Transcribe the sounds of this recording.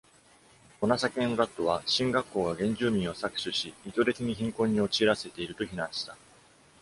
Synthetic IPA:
o̞nasakẽ̞oɾat̪ːo̞β̞aɕĩŋɡakːo̞ːɡaɡẽ̞ɲ̟d͡ʑɨːmʲĩɰ̃o̞sakɯ̟̥ɕɨɕiit̪o̞ɾe̞t͡siɲ̟içĩŋkõ̞ɲ̟ːio̞t͡ɕiːɾase̞t̪e̞iɾɯ̟t̪o̞çinãɰ̃ɕi̥t̪a

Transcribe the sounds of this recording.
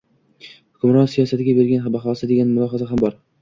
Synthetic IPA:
hʊkʰʲʊmɾɒnsijɒsat̪ɪɡʲabe̞ɾɡʲanɦabaχɒsɪd̪e̞ɡʲanmʊlˠɒɦazaɦambɒɾ

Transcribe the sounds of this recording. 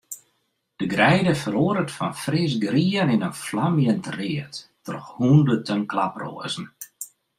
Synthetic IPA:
d̥əɡrɛjdəfəɾoəɾətfɔnfrɪs̬ɡriənɪnənflamjəntrɪətː | ɔrxhundətʰənklapro̰əzn̩

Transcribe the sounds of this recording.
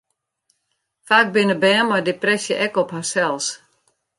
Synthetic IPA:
faːk̚bɪnəbɛːnmajdeprɛsjəʔɛkɔphasɛlˠs

